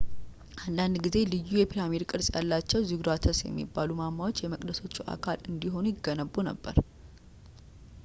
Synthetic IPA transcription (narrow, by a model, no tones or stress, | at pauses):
ʔand̪and̪ɡize̞lɨjːujɛpʰilamid̪kʼɨɾsʼja̰lːat͡ʃːɛwzɨɡɾat̪ʰəsjɛ̰mːḭbːalumamːawot͡ʃːjɛməkʼd̪əso̞t͡ʃːuʔa̰kʰalɨnd̪iɦo̞nujɪɡːənəbːunə̰bːə̰ɾ